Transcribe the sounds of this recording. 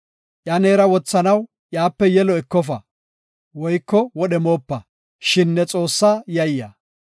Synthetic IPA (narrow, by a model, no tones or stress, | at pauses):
ʔjɐneːɾɐwɔt͡sːɐnɐw | ʔjaːpːɛjɛlɔɛkːɔf̬ɐ | wɔjkːɔwɔɗɛmoːpːɐ | ʃɪnːɛt͡sʼo̞ːsːaːjɐjːɐ̰